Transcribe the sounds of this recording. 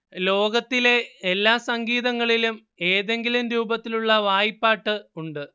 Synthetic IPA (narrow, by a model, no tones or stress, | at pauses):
lo̞ːɡɐt̪ːile̞elːaːsɐŋɡiːðɐŋːɐɭilum | e̞ːðe̞ŋɡilumɾuːbɐt̪ːiluɭːɐʋaːjipːaːʈːɨuɳɖɨ